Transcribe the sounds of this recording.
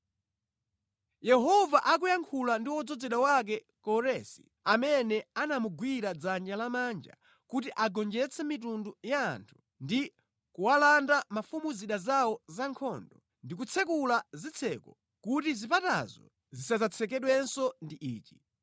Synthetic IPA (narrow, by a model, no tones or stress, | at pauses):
jɛɦɔvaʔak̬ujaŋkʰulandiwɔd͡zɔd͡zɛɗawak̬ɛ | kɔɾɛsi̥ | amɛnɛanamuɡwiɾad͡zand͡ʒalamand͡ʒa̰ | kutiʔaɡɔnd͡ʒɛt͡sʰɛmitunduja̰ːntʰu̥ | ndi | kuwalandamafumuziɗazawɔzaŋkʰɔ̰ːndɔ | ndik̬ut͡sʰɛkulazit͡sʰɛkɔ | kutizipata̰zɔ̰ | zisazat͡sʰɛk̬ɛɗwɛnsɔndiʔiːt͡ʃi̥